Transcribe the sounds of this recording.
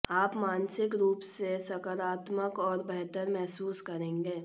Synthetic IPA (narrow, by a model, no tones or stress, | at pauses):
aːpmaːnsɪkɾuːpssesɐkəɾaːt̪məkɔːɾbɛɦt̪əɾmɛɦsuːskɐɾẽːŋɡeː